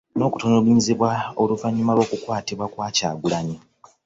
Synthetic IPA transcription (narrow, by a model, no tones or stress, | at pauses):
no̞ːku̥tonoluɲiziβwaoluvaɲːumalwo̞ːkukwaːtiβwakwaːca̰ːɡulaɲi